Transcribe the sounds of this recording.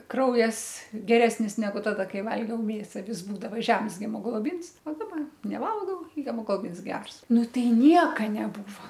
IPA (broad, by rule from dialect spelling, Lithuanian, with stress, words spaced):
ˈkrɐʊjɛs ɡʲɛˈrʲæːsʲnʲɪs nʲɛˈɡʊ ˈtɑːdɐ ˈkɐɪ ˈʋɐlʲɡʲɛʊ ˈmʲeːsɐ ˈʋʲɪs ˈbuːdɐʋɐ ˈʒʲɛms ɣʲɛmoːɡlˠoːˈbʲɪns oː ˈdɑːbɐ nʲɛˈʋɐlˠɡɐʊ ɪ ɣʲɛmoːɡlˠoːˈbʲɪns ˈɡʲɛrs ˈnʊ ˈtɐɪ ˈnʲiɛkɐ nʲɛˈbuːʋoː